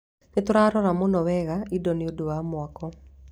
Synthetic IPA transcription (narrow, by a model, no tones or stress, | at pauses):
nɪt̪ʊɾaɾɔɾamonɔwɛɣaidɔnɪodowamwɔkɔ